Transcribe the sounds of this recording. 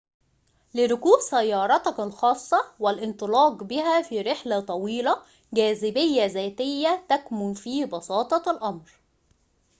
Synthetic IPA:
lɪɾʊkuːʔsæjːɑːɾˤɑt̪ɑkɑlxɑːsˤːɑwɪlʔɪnt̪ˤɨlɑːɡbɪɦæfiːɾeħlæt̪ˤɑwiːlæ | ɡæːzɪbɪjːæzæːt̪ɪjːæt̪ækmʊnfiːbɑsɑːt̪ˤɑlʔɑmɾ

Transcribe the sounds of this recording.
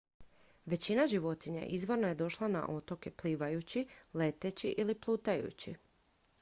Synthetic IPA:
ʋe̞t͡ɕinaʒiʋo̞t̪iɲḛʔizʋo̞ɾnoje̞d̪o̞ʃlˠana̰ʔo̞t̪o̞ke̞pliːʋajut͡ɕile̞t̪et͡ɕiʔiliplˠuːt̪ajṵt͡ɕḭ

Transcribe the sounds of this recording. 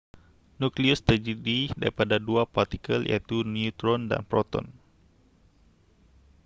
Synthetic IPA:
nukliust̪əd͡ʒədida̰ɾipadaduapart̪ikəljʔa̰t̪uniut̪ɾɔnda̰npɾɔt̪ɔ̰n

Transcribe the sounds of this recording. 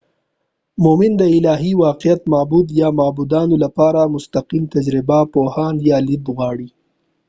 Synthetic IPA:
momɪnd̪əɪlɑːɦiwɑqɪjat̪mɑbud̪jɑmɑːbud̪ɑnolapɑɾamʊst̪aqimt̪ad͡ʒɾɪbapohɑnjɑːlid̪ɣwɑːɽi

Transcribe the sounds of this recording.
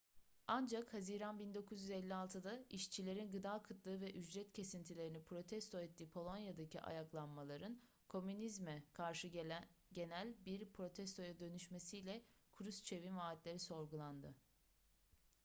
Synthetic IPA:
and͡ʒakhaziːɾanbind̪o̞kʰuzjyzɛlʲːialˠt̪ʰɯd̪aiʃt͡ʃʰilʲe̞ɾinɡɯd̪aːkʰɯt̪lˠɯːvɛʔyd͡ʒɾɛt̪cʰe̞sint̪ʰilʲe̞ɾinipʰɾo̞t̪ʰɛst̪ʰo̞ɛt̪ʰːiːpʰo̞lˠo̞njad̪aciʔa̰jaklˠanmalˠaɾɯn | kʰo̞mynizmɛkʰaɾʃɯɟe̞nælʲbiɾpʰɾo̞t̪ʰɛst̪ʰo̞jad̪ø̞nyʃme̞sijlʲɛkʰuɾyst͡ʃʰe̞vinvaːt̪lʲe̞ɾiso̞ɾɡulˠand̪ɯ

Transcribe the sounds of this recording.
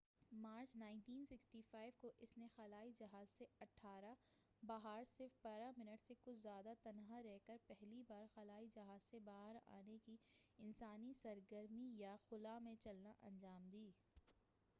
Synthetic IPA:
maːɾt͡ʃnãːɪnʈiːnsɪksʈiːfaːɪʋkoʔɪsnexɐlaːid͡ʒɐɦaːzseɐʈʰaːɾa | baːɦaɾsɪɾfpɐɾamɪnəʈsekʊt͡ʃʰzjaːd̪at̪ɐnɦaɾɛɦkəɾpɛɦlibaːɾxɐlaːid͡ʒɐɦaːzsebaːɦəɾa̰ːnekiɪnsaːnisɐɾɡəɾmijaxʊlamẽt͡ʃɐlnaʔɐ̰̃nd͡ʒaːmd̪iː

